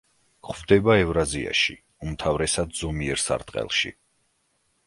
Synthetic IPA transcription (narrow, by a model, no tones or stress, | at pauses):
χvd̪ɛbaɛvɾazia̰ʃḭ | umt̪ʰavɾɛsad̪z̥ɔmiɛɾsa̰ɾt̪ʼqʼɛ̰lˠʃḭ